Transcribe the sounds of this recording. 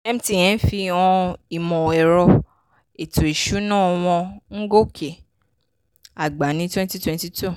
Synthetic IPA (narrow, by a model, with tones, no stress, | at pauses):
ɛ˦m̩̃˦ti˦˨j̃ɛ̃˨˦fi˧ɔ̃˧i˨mɔ̃˨ɛ˨ɾɔ˧ | e˨tʰo˨e˨ʃu˨˦nãː˦˨˧w̃ɔ̃˧ŋ̩˦ɡo˦kʰe˨ | a˨ɡ͡ba˨˦nĩ˧˦twɛ̃˦n˦ti˦twɛ̃˨˧nti˧tu˦˨